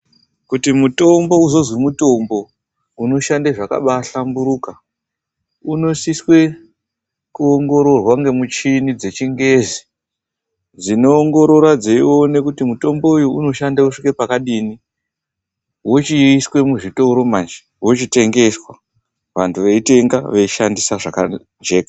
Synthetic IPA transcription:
kutimuto̞mbo̞uzo̞zwimuto̞mbo̞ | uno̞ʃandeʐaka̰ɓaɬambuɾuka | uno̞siswe̞ | kuoŋɡo̞ɾo̞rwaŋɡe̞mut͡ʃinid͡ze̞t͡ʃiŋɡe̞zi | d͡zino̞ːŋɡoɾo̞rwad͡zeione̞kutimuto̞mboujuuno̞ʃandauʂikepakaɗini | wot͡ʃiiswe̞muʐito̞ɾo̞mand͡ʒe̥ | wo̞t͡ʃite̞ŋɡe̞swa | ʋantʰuʋeite̞ŋɡaʋeiʃandisaʐaka | nd͡ʒe̞ːkḁ

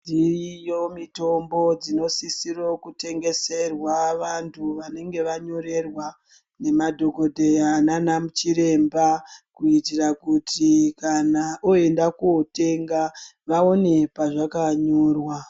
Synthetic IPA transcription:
ndirijo̞mito̞mbo̞d͡zino̞sisiro̞kute̞ŋɡe̞se̞rwaʋantʰuʋane̞ŋɡe̞ʋaɲo̞ɾe̞rwa | ne̞madʱo̞ko̞dʱe̞jananamut͡ʃiɾe̞mbakuitirakutʰikanaʔoe̞ndakuote̞ŋɡaʋao̞ne̞paʐakaɲoːrwa

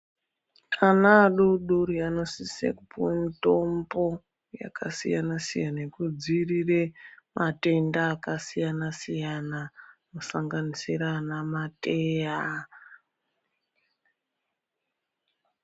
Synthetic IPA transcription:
kanaɗuɗuriano̞sisḛkupuwemito̞mbo̞ | ja̰kasijanasijanaekud͡ziriremate̞ndaːkasijanasijanamusaŋɡanisiranamateːja

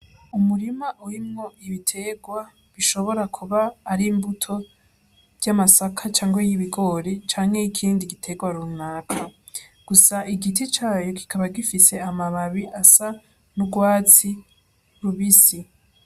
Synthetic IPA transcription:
umuɾimaʔuɾimŋo̞iβitʰe̞ːɡwa | βiʃo̞βo̞ɾakʰuβaːɾiːmbutʰo̞ | v̥jamasakʰat͡ʃaːŋɡwejiβiɡo̞ːɾit͡ʃaːŋhe̞ikʰiːndiɡitʰe̞ːɡwaɾunakʰa | ɡ̥usaʔiɡitit͡ʃaːjo̞ki̥kʰaβaɡifise̞amaβaβiʔasa | nuɡwaːt͡si | ɾuβisi

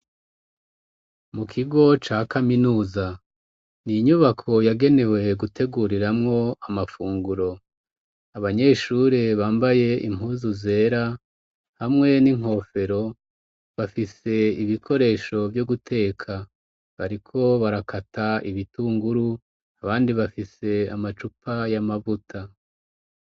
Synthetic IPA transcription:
mukʰiɡo̞t͡ʃaːkaminuːza | niɲuβakʰo̞jaɡe̞ne̞we̞ɡutʰe̞ɡuɾiɾamŋo̞amafuːŋɡuɾo̞ | aβaɲe̞ːʃuɾeβaːmbaje̞ʔḭm̥uːzuze̞ːɾa | hamŋe̞niŋɦo̞fe̞ɾo̞ | βafise̞iβikʰo̞ɾe̞ːʃo̞vjoɡutʰe̞ːkʰa | βaɾikʰo̞βaɾakʰatʰaiβituːŋɡuɾu | aβaːndiβafise̞amat͡ʃupʰajamavutʰa

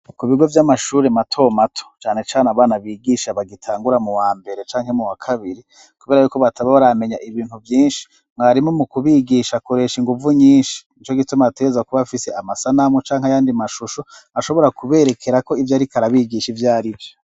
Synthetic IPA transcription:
kuβiɡo̞vjamaʃuːɾematʰo̞matʰo̥t͡ʃaːne̞t͡ʃaːnaβaːnaβiːɡiʃaβaɡitʰaːŋɡuɾamuwaːmbe̞ɾe̞t͡ʃaːŋhe̞muwakʰaβiɾi | kuβe̞ːɾajuːko̞βataβaβaɾame̞ɲaʔiβiːnhuvjiːnʃi̥ | ŋŋaɾimŋomukuβiɡiʃakoɾe̞ʃiŋɡuvuɲiːnʃi̥it͡ʃoɡitumateezakuβafiseamasanamot͡ʃaːŋhajaːndimaʃuʃoaʃo̞βo̞ɾakuβe̞ɾekʰe̞ɾako̞ivjaɾikaɾaβiɡiʃivjaːɾivjo

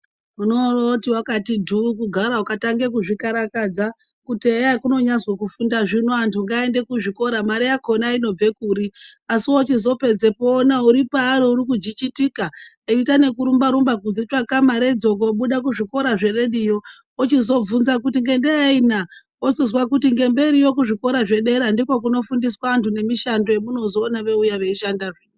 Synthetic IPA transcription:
unorotiwakatidʱukuɡʱaɾaukataŋɡe̞kuʐikaɾakad͡za | kuteakuno̞ɲazwakufundaʐinoantʰuŋɡaende̞kuʐiko̞ɾamaɾejakʰo̞naino̞b͡ve̞kuːɾiasiwo̞t͡ʃizo̞pe̞d͡zepoːnauɾipaːɾouɾikud͡ʒit͡ʃitika | eitane̞kuɾumbaɾumbakud͡zit͡ʃakamaɾeid͡zo̞koɓuɗak̬uʐiko̞ɾaʐe̞re̞ɗijo̞ | ot͡ʃizo̞b͡vunzakutiŋɡendeaina | osozwakutiŋɡe̞mbe̞ɾijo̞k̬uʐiko̞ɾaʐe̞ɗe̞ɾandikwok̬uno̞fundis̬waːntune̞miʃando̞jemuno̞zo̞ːnaʋe̞ujaʋe̞iʃandaʐiːno

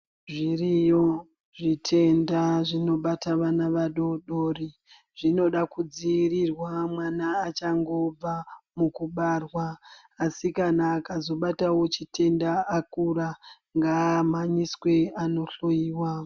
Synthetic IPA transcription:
ʐirijo̞ | ʐitʰe̞ndaʐino̞ɓataʋanaʋaɗo̞ɗori | ʐino̞ɗakud͡ziːrirwamwanaːt͡ʃaŋɡo̞b͡vamukuɓarwaː | sikanaːkazo̞ɓatawo̞t͡ʃitʰe̞ndaakura | ŋɡaːmaɲiswe̞ano̞ɬo̞jiːwa

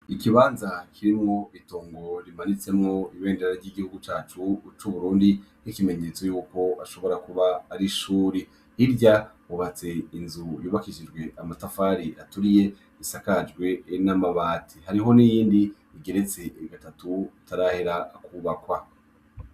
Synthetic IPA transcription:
ikiβaːnzakʰiɾimŋo̞itoːŋɡo̞ɾimanit͡se̞mŋo̞iβe̞ːndeɾaɾɟiɡihuɡut͡ʃaːt͡ʃut͡ʃuβuɾuːndinikime̞ɲe̞ːt͡so̞juːko̞aʃo̞βo̞ɾakuβaːɾiʃuːɾi | iɾɟahuβat͡se̞inzujuːβakiʃid͡ʒɡwe̞ʔamatafaːɾiʔatuɾije̞ | βisakad͡ʒɡwe̞namaβaːtʰihaɾiɦo̞nijiːndi | iɡe̞ɾe̞t͡se̞ɡatatutaɾaheɾakʰuβakwa

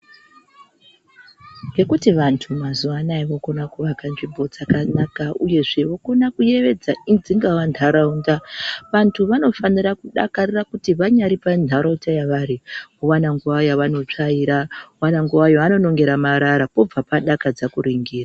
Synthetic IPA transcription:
ŋɡe̞kutiʋantʰumazuʋanaiʋo̞ko̞nakuʋakanʐibʱo̞d͡zakanakaʔuje̞ʐe̞ʋo̞ko̞nakuje̞ʋe̞d͡zaind͡ziŋɡawandʱaɾaundaʋantʰuʋano̞fanirakuɗa̰karirakutiʋaɲaɾipandʱaɾotajaʋaɾiuʋanaŋɡuʋajaʋano̞t͡ʂaiɾauwanaŋɡuʋajoano̞no̞ŋɡe̞ɾamaɾaɾapo̞b͡vapaɗakad͡zakuɾiŋɡiːra

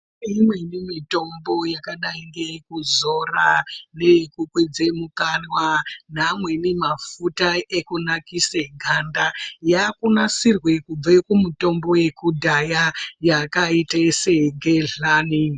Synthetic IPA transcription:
imwe̞nimito̞mbo̞jakaɗaiŋɡekuzo̞ranekukwed͡zemukanwanamwe̞nimafutaʔekunakiseɡʱandajakunasirwe̞kub͡vekumuto̞mbo̞je̞kudʱajajakaitaseɡeɮaːni

